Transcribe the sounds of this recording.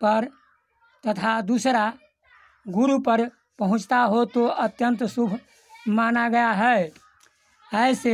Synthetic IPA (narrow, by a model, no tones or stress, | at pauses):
pəɾ | t̪ət̪ʰad̪usɾa | ɡuɾupəɾ | pəɦʊ̃t͡ʃt̪aɦot̪oʔət̪jənt̪subʱ | manaɡəjaɦɛ | əjse